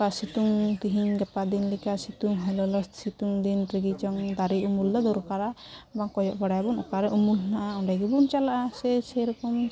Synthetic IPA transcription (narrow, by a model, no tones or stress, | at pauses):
kasit̪uŋt̪iɦiɲɡɛpad̪inlikasit̪uŋɦɛlɔlɔst̪sit̪uŋd̪inɾiɡit͡ʃɔŋd̪aɾiumuld̪ɔd̪ɔɾukaɾabaŋkɔjɔʔbaɽajbɔnɔ̰kaɾɛʔumulnaʔaɔɳɖajɡibunt͡ʃalaʔasɛsɛɾɔkɔm